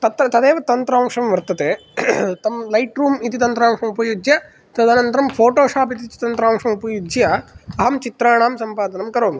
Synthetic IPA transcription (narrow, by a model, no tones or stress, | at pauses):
t̪ɐt̪ɾɐt̪ɐd̪eːʋɐt̪ɐnt̪ɾaːmʂɐmʋɐɾt̪ɐt̪eː | t̪ɐmlɐjʈɾuːmit̪it̪ɐnt̪ɾaːmʂɐmupɐjud͡ʒjɐ | t̪ɐd̪aːnɐnt̪ɐɾɐmpʰoːʈoːʂaːpit̪it͡ʃ̪t̪ɐnt̪ɾaːmʂɐmupɐjud͡ʒjɐɐɦɐmt͡ʃit̪ɾaːɳaːmsɐmpaːd̪ɐnɐmkɐɾoːn